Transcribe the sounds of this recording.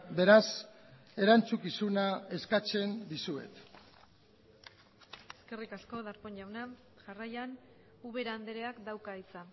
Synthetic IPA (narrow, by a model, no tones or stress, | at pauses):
be̞ɾas | e̞ɾant͡sukisunae̞skat͡se̞nd̪isue̞̰t̪ | e̞ske̞rikasko̞ðaɾpo̞ɲʎawna | ʝarajan | uβe̞ɾaːnd̪eɾeakd̪awkait͡sa